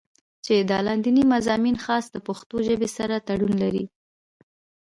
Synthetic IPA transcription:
t͡ʃed̪əlɑnd̪inimazɑminxɑsd̪əpʊxt̪oʒəbesaɾat̪aɽunlaɾḭ

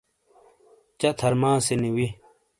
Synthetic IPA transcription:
t͡ɕɐt̪ʰɐɾmãːseniwi

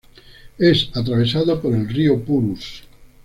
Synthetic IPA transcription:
ɛsat̪̬ɾaβesaðopoɾelriopuɾus

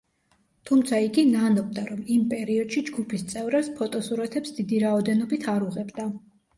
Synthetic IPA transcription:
t̪ʰumt̪sʰaiɡinanɔb̚d̪aɾɔmimpʼɛɾiɔd̪̥ʃid͡ʒɡupʰist̪sʼɛvɾaspʰɔt̪ʼɔsuɾat̪ʰɛpsd̪id̪iɾaɔd̪ɛnɔbit̪ʰaɾuʁɛbd̪a

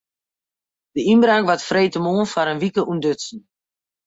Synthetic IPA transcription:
d̥əimbraŋkʋatfreːtəmoːənfaɾənʋikəʔundøtsn̩

